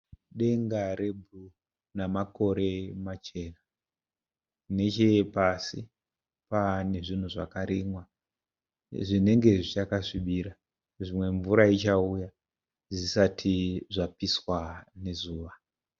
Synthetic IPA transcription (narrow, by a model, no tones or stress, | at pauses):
ɗe̞ŋɡare̞bʱu | namako̞ɾe̞mat͡ʃe̞ːna | ne̞t͡ʃe̞pasḭ | pane̞ʐin̤uʐa̰kaɾimwa | ʐine̞ŋɡe̞ʐit͡ʃakaʂiɓiɾa | ʐimwe̞ɱvuɾait͡ʃauja | zisatʰiʐapiswane̞zuːʋa